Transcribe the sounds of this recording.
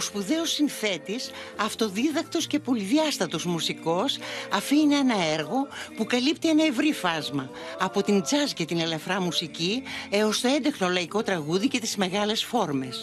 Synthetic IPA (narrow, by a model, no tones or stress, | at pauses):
ospuðe̞osinθe̞t̪is | ɐft̪o̞ðiðɐk̚t̪o̞sce̞po̞liðiɐst̪ɐt̪o̞zmusiko̞sɐfiineenɐeɾɣo̞pukɐlipt̪ienɐevɾifɐzmɐ | ɐpo̞t̪ind͡zɐzcet̪inelɐfɾɐmusicieost̪oe̞nd̪exnolɐiko̞t̪ɾɐɣuðice̞t̪izme̞ɣɐle̞sfo̞ɾme̞s